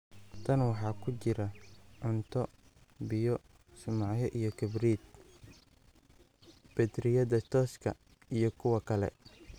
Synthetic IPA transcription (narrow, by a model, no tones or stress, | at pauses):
t̪ʰɐnwɑħɑːkʰʊt͡ʃɪɾɐʕʊnt̪ʰɔ | bɪjɔ | sʊmɑʕjɔʔijɞkʰɐbriːd̪ | b̥ɛd̪ɾɪjɐðɐt̪ʰɔːskʰɐ | ijɞkʰʊwɐkʰɐlɛ̰